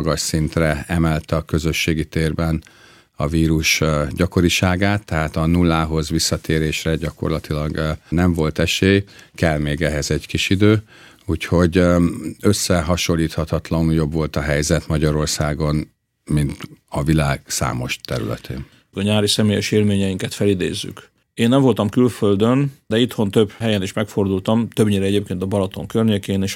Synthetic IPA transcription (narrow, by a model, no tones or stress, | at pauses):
ɡɒʃsint̪rɛɛmɛlt̪ɛɒkø̞zø̞ʃːeːɡit̪eːrbɛn | ɒ̰viːɾuʃɟɒko̞ɾiʃaːɡaːt̪ːɛɦaːt̪ɒnulːaːɦo̞zʋisːɒt̪ʰeːɾeːʃrɛɟɒko̞̰rlɒt̪ilɒɡnɛɱvo̞lt̪ɛʃeːkɛlmeːɡɛɦɛzɛɟkiʃid̪øː | uːcho̞ɟ | øsːɛɦɒʃo̞lːiːt̪hɒt̪ɒt̪lɒnujo̞bvo̞lt̪ɒɦɛjzɛt̪mɒɟɒɾo̞rsaːɡo̞n | mint̪ɒvilaːɡsa̰ːmo̞ʃt̪ɛɾy̰lɛ̰t̪ʰḛːn | ɒɲaːɾisɛmeːjɛʃeːlmeːɲɛjiŋkɛt̪fɛlid̪ḛːzːy̰k | eːnːɛɱvo̞lt̪ɒmkylføld̪ønd̪̥ɛit̪ho̞nt̪ø̞bɦɛjɛniʃmɛkfo̞rd̪ult̪ɒmt̪ø̞bɲiːɾɛɛɟeːp̚keːnt̪ɒbɒlɒt̪o̞ŋkørɲeːkeːneːʃ